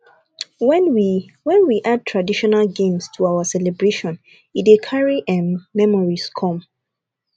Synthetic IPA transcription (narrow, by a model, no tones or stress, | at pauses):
wɛnwiwɛ̃nwiʔad̚tʰɹadiʃɔnalɡẽmstʰuaʊasɛlɛbɹeʃɔ̃n | itikʰaɹiʔɛ̃nːɛmɔɹiskʰɔ̃m